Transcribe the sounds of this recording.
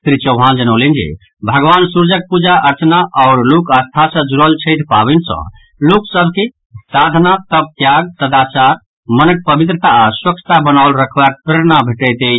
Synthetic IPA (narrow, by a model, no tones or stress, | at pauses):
t̪ɾit͡ʃəʊɦãnd͡ʒənəʊlind͡ʒḭ | bʱəɡʋansuɾd͡ʒək̚pud͡ʒaʔəɾt͡ʃnaʔɔʊɾlukəst̪ʰasə̃d͡ʒuɾəlt͡ʃʰəɪʈʰpabinsə̰̃ | luksəbki | sad̪ʱnat̪əb̚t̪jaɡ̚t̪əd̪at͡ʃaɾ | mənək̚pəbit̪ɾət̪aswəkt͡ʃʰə̥t̪abənaʊlɾəkʰbak̚pɾeɾnabʱeʈət̪e